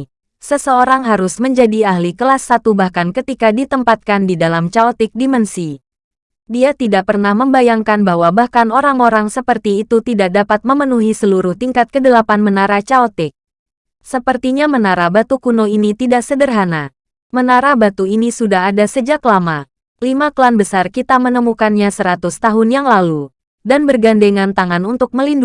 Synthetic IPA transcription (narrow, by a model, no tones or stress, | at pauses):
səsəoɾaŋɦaɾʊsməɲd͡ʒadiahlikəlasːat̪ubahkankət̪ikadit̪əmpat̪̚kandidalamt͡ʃaɔt̪ɪk̚dimənsi | diat̪idaʔ̚pərnahməmbajaŋkanbahwabahkanoɾaŋoɾaŋsəpərt̪iːt̪ut̪idak̚dapat̪̚məmənuɦisəluɾʊht̪iŋkat̪̚kədəlapanmənaɾat͡ʃaot̪ɪk̚ | səpərt̪iɲamənaɾabat̪ukunoinit̪idaʔsədərɦana | mənaɾabat̪uinisudaɦadasəd͡ʒaklama | limaklanbəsarkit̪amənəmukanɲasəɾat̪ʊst̪aɦʊnjaŋlalu | danbərɡandeŋant̪aŋanunt̪ʊk̚məlind